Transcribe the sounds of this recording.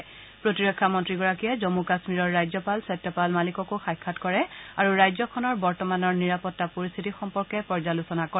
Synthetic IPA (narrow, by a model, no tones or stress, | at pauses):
pɹotiɹɔkʰːamɔntɹiɡɔɹakijɛzomukasmiɹɔɹːajzɔpalsɔtːɔpalmalikɔkoxajkʰːatkɔɹɛaɹuɹajzɔkʰɔnɔɹbɔɹtɔmanɔɹniɹapɔtːapoɹist̪ʰitixɔmpɔɹkɛpɔɹzalusɔnakɔ